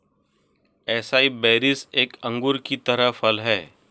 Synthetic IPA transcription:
ɛːsaːibɛːɾɪseːkɐ̃ŋɡʊɾkit̪ɐɾəfɐlɦɛː

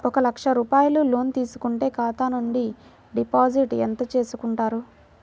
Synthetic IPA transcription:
ɔkɐlɐkʂɐɾuːpaːjɐlulo̞ːnt̪iːsu̥kuɳʈe̞ːkaːt̪aːnuɳɖi | ɖipaːd͡ʒiʈent̪ɐt͡ʃe̞ːsukuɳʈaːɾu

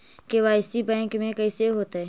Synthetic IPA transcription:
keʋaːɪsibɛ̃ːŋkmẽkɐɪseɦoːt̪aɦɛː

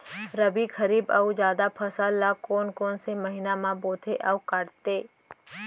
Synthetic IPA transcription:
ɾɐbikʰɐɾiːbɐud͡ʒjaːd̪apʰɐsalːakoːnkoːnsemɐɦɪnamãboːt̪ʰeʔɐukaɾt̪eː

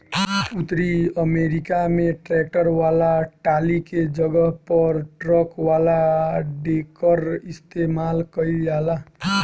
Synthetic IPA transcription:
ut̪ɾiʌmeɾikameʈɾek̚ʈʌɾwalaʈaliked͡ʒʌɡʌɦpʌrʈrʌkwalaɖekʌɾist̪emalkʌiala

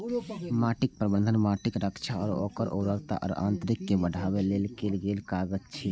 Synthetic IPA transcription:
maːʈik̚pɾəbənd̪ʱənmaːʈikɾəkt͡ʃʰaɔːɾo̰ːkəɾʔoɾəɾt̪a̰ʔɔ̰ːɾã̰nt̪ɾikːebəɽʱabelelkelɡelkaɡətt͡ʃʰe

